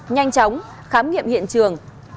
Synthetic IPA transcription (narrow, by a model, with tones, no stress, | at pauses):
ɲa˧jŋ̟t͡ɕɔ˨˦wŋ͡m | xaː˨˦mŋḭ˧˨əmhḭ˧˨ənt͡ɕɨ˨˩əŋ